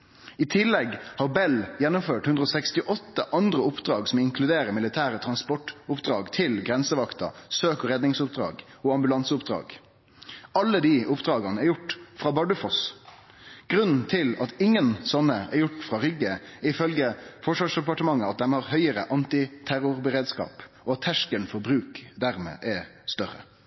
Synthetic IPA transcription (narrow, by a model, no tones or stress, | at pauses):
ɪt̪ʰɪlːɛɡhɑːʁbɛljɛnːʊmføːʈhʉnd̪ɾɔːsɛkst̪ɪʔɔt̪ːəʔɑnd̪ʁəʊpd̪ɾɑːɡsɔmɪŋkʰlʉd̪eːɾəmɪlɪt̪ʰæːɾət̪ʰɾɑnspɔʈːʊpd̪ʁɑːɡt̪ʰɪlɡɾɛnsəʋɑkt̪ɑ̰søːkɔʁɛd̪nɪŋsʊp̚d̪ɾɑ̰ːɡɔɑmbʉlɑnsəʊpd̪ɾɑ̰ːɡ | ɑlːəd̪iʔʊpd̪ɾɑːɡɑnəɛɾjʊʈːfʁɑːbɑɖʉfɔs | ɡ̥ɾʉnn̩t̪ʰɪlɑt̪ɪŋːənsɔnːəɛ̰ɾjʊʈːfɾʁɑːɾʏɡəɪfœlɡəfɔʂʋɑːʂd̪ɛpɑʈəmɑŋːəɑt̪̚d̪ɛmhɑʁhœʏəɾəʔɑnt̪ɪt̪ʰæɾʊɾbəʁeːd̪skɑ̰ːp | ɔɑt̪ʰːæʂkənfɔɾbɾʉːkd̪æɾmḛːʔɛst̪œɾə̰